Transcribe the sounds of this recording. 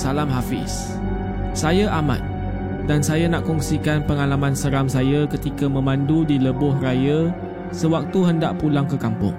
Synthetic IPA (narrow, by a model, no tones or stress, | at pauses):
salamɦafɪ̰s | sajaʔamã̰t̪̚ | dansajanaʔkɔŋsikanpəŋalamãnsəɾamsajakət̪ikamə̃mãndudiləbʊhraja | səwak̚t̪uɦəndaʔpulaŋkəkampʊ̰ŋ